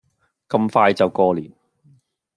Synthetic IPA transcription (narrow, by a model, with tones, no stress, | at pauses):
kɐ˧mfaː˧jt͡sɐ˨wkɔː˧liː˨˩n